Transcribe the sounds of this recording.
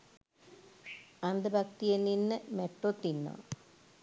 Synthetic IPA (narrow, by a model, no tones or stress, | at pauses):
ɐnd̪əbʱɐkt̪ijeninːɨmeʈːot̪ːinːo̰ː